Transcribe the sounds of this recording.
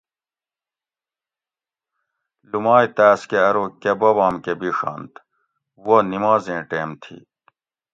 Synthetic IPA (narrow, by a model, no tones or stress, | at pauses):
lumaːjt̪æːskeɐɾokebɐbaːmkebiʂɑ̰ːnt̪ | wonimaːzẽːʈeːmt̪ʰḭ